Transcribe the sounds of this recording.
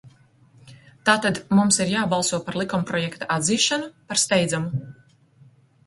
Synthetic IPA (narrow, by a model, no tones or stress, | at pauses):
t̪aːt̪ad̪mumsiɾjaːbɑlˠsuɔpaɾlˠikɔmpɾɔjɛkt̪aʔad̪ziːʃanupaɾst̪ɛjd̪zamu